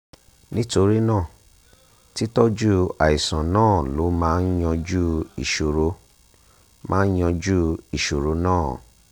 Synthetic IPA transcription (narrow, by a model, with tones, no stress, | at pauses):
nĩ˦to˧ɾi˦nãː˦˨ | ti˦tɔ˦d͡ʒu˦a˨i˨sã˨nãː˦˨lo˨˦mãː˦n̩˦j̃ɔ̃˧d͡ʒu˦ḭ˨ʃo˨ɾo˧ | mãː˦n̩˦jɔ̃˧d͡ʒu˦i˨ʃo˨ɾo˧nãː˦˨